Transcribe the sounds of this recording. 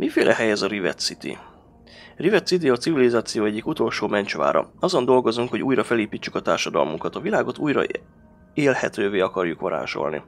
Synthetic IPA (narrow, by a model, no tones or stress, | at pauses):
mʔifeːlʔɛɦɛjɛzɒɾivɛ̰t̪sit̪ḭ | rivɛt̪sit̪̬iɒt̪sivilizaːt̪sijoːɛɟːikut̪o̞lʃoːmɛnt͡ʃʋa̰ːɾɒ̰ɒzo̞nd̪o̞lɡo̞zuŋkho̞ɟuːjrɒfɛleːpiːt͡ʃːykɒt̪aːrʃɒd̪ɒ̰lmṵŋkɒt̪ɒvilaːɡo̞t̪uːjrɒ̰ | eːlhɛ̰t̪øːveːɒkɒrjukʋɒɾa̰ːʃo̞̰lnḭ